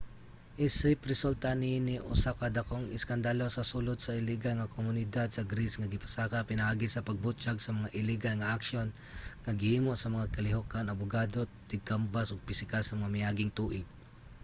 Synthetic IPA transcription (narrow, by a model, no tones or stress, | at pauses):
ʔɪsɪpɾɛsult̪aninɪʔṵsakad̪ɐkoŋɪskɐnd̪alo̞sɐsulod̪̚sɐɪliɡalŋɐkomʊnɪd̪ad̪̚sɐɡɾisŋɐɡɪpɐ̥saːkapɪnɐʔaːɡɪsɐpɐɡ̚bʊt͡ʃaɡsɐmɐŋaʔɪliɡalŋɐʔakʃon | ŋɐɡɪhiːmoʔsɐmɐŋakɐlɪɦokanɐbʊɡad̪o̞t̪ɪɡ̚kambasoɡ̚pɪsɪkasɐmɐmamɪaːɡɪŋt̪uːʔɪɡ̚